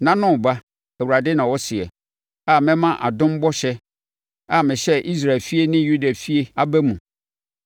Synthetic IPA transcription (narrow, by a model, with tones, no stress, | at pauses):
nã˦˨nʊ̃˦˨ba˦ | æ˨wu˨ɾa˨dɪ˦nã˨wɔ˦sɪ˨ɛ̰˨ | a˦˨mɛ̃˦mã˦ʔa̰˨dʊ̃˦m˦bɔ˦ɕɛ˦ | a˦˨mɪ̃˨ɕɛ˦ʔi˦s̬ɾa˨lfi˦e˦nɪ̃˦ju˦da˨fi˦e˦a˦bæ˦mũ˨